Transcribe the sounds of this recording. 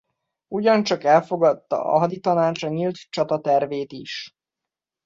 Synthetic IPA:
uɟɒnt͡ʃɒkɛlfo̞ɡɒt̪ːɒ̰ʔɒ̰ɦɒd̪it̪ɒnaːt͡ʃɒɲilt̪t͡ʃɒt̪ɒt̪ɛrveːt̪iʃ

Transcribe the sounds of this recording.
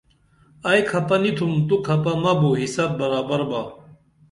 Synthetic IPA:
ɐjkʰɐpɐnit̪ʰumt̪ukʰɐpɐmɐboɦisɐt̚bɐɾaːbɐɾbaː

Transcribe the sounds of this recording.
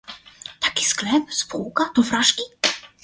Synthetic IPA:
t̪ʰḁkʲi̥sklɛpspʰuwkat̪ɔfɾaʂkʲi

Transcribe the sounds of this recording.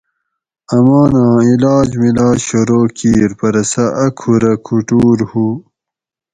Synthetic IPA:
ɐmɑːnãːilaːd͡ʑmilaːd͡ʑɕoɾoːkiːɾpɐɾɐsɐʔɐkʰuɾɐkʰuʈuːɾhu

